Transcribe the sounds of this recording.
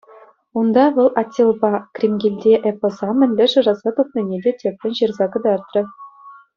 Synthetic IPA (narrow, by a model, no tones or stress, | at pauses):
und̪ɑʋɤ̆lˠɑtʲːelˠbɑkrʲimɡʲilʲdʲeʔepozɑmʲɘ̆nʲlʲɘ̆ʐɤ̆ʐɑzɑt̪up̪̚nʲɤ̆nʲedʲetʲep̚ʲtʲɘ̆nɕirzɑkɤ̆d̪ɑrt̪rɤ̆